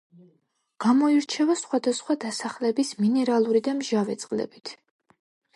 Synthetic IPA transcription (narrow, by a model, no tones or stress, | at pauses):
ɡ̥amɔiɾt͡ʃʰɛvasχwad̪asχwad̪asaχlɛbisminɛɾalˠuɾid̪amʒavɛt̪sʼqʼlɛ̰bit̪ʰ